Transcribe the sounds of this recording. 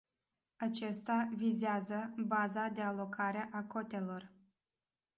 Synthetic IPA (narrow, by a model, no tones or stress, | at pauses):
at͡ʃest̪avizeazəbazad̪e̞alo̞kʰaɾe̞ʔako̞t̪e̞lo̞r